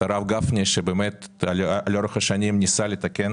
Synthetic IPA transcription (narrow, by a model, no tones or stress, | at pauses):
aɾavɡafnʲeʃebemet̪alalʲoɾeχɐʃanʲimnʲisalʲet̪akʲen